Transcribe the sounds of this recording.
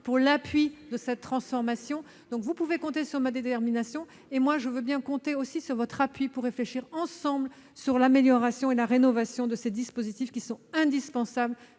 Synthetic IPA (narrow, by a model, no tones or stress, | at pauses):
puʁlapɥid̪əsɛt̪ːχɑ̃sfɔʁmasjɔ̃ | d̪̥ɔ̃kvupuvekɔ̃t̪esyʁmad̪et̪ɛʁminasjɔ̃ | emwaʒəvøbjɛ̃kɔ̃t̪eosisyʁvɔt̪χapɥipuʁːefleʃiʁɑ̃sɑ̃bl | syʁlameljɔʁasjɔ̃elaʁenɔvasjɔ̃d̪əsed̪ispozit̪ifkʲisɔ̃ɛ̃d̪ispɑ̃sabl